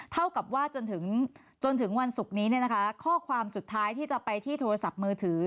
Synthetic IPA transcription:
t̪ʰa˥˩wka˨˩p̚waː˥˩t͡ɕo˧nt̪ʰɯ˩˦ŋ | t͡ɕo˧nt̪ʰɯ˩˦ŋwa˧nsu˨˩k̚niː˦˥ni˥˩ɐna˦˥kʰa˦˥kʰɔː˥˩kʰwaː˧msu˨˩t̪ʰːaː˦˥jt̪ʰiː˥˩t͡ɕa˨˩pa˧jt̪ʰiː˥˩t̪ʰoː˧ɾa˧sa˨˩p̚mɯː˧t̪ʰɯː˩˦

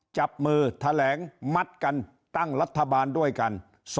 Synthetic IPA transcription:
t͡ɕa˨˩p̚mɯː˧t̪ʰa˧lɛː˩˦ŋma˦˥t̪̚ka˧n | t̪a˥˩ŋla˦˥t̪ʰːa˧baː˧ndu˥˩əjka˧n | s

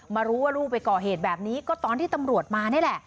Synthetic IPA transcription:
maː˧ɾuː˦˥waː˥˩ɾuː˥˩pːa˧jkɔː˨˩ɦeː˨˩t̪̚bɛː˨˩p̚niː˦˥kɔː˥˩t̪ɔː˧nt̪ʰiː˥˩t̪a˧mɾu˨˩ət̪̚maː˧na˥˩lɛ˨˩ʔ

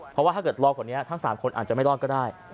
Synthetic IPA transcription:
pʰɾɔ˦waː˥˩t̪ʰaː˥˩kɤː˨˩t̪̚lɔː˧kʰɔ˨˩ni˦˥ɐt̪ʰa˦˥ŋsaː˩˦mkʰo˧nʔa̰ː˨˩t̪̚t͡ɕa˨˩ma˥˩lɔː˥˩n̚kɔː˥˩daː˥˩j

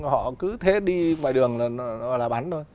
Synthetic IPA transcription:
hɔ̰˧˨kɨ˨˦t̪ʰe˨˦ɗi˧mwa̰ː˧˨jɗɨ˨˩əŋlaː˨˩nɔ˨˦˨laː˨˩ɓa˨˦nt̪ʰo˧j

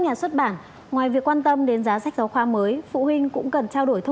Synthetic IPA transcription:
ɲaː˨˩swə˦˥t̚ɓaː˧˩n | ŋwaː˨˩jvi˨˩əkːwaː˧nt̪ə˧mɗe˨˦nzaː˨˦za˦˥k̚za˨˦wxwaː˨˦məː˨˦jfṵ˧˨wï˧ŋ̟kʊ̰˧˥ŋ͡mkə˨˩nt͡ɕaː˧wɗo˧˩jt̪ʰ

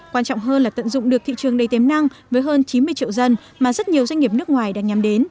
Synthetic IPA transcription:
kwaː˧nt͡ɕɔ̰˧˨wŋ͡mɦəː˧nlaː˨˩t̪ə̰˧˨nzʊ̰˧˨ŋ͡mɗɨ˨˩ək̚t̪ḭ˧˨t͡ɕɨ˨˩əŋɗə˨˩jt̪e˨˦mna˧ŋvəː˨˦jɦəː˧nt͡ɕi˨˦mɨ˧əjt͡ɕḭ˧˨əwzə˧n | maː˨˩zə˦˥t̚ɲi˨˩əwza˧jŋ̟ŋi˨˩əp̚nɨ˦˥ək̚ŋwaː˨˩jɗa̰ː˧˥ŋɲa˨˩mɗe˨˦n

